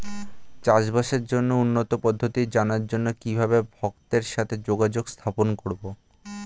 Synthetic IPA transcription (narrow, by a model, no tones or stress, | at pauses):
t͡ɕaʃbaʃeɾd͡ʑonːounːot̪opɔd̪ʱːot̪id͡ʑanaɾd͡ʑonːokibʱabebʱɔkt̪eɾʃat̪ʰed͡ʑoɡad͡ʑoɡst̪ʰaponkoɾbo